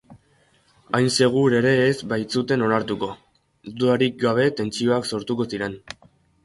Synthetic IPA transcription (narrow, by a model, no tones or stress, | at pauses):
ajnse̞ɣ̞uɾe̞ɾe̞ːzbajt͡sut̪e̞no̞naɾt̪uko̞ | d̪uaɾik̚ɡaβ̞e̞t̪e̞nt͡sio̞akso̞ɾt̪uko̞siɾe̞n